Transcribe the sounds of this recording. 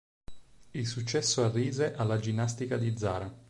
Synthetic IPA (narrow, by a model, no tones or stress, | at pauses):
ilsut͡ʃːɛsːoarːiːzeʔalːad͡ʒinːast̪ikad̪id̪za̰ːɾa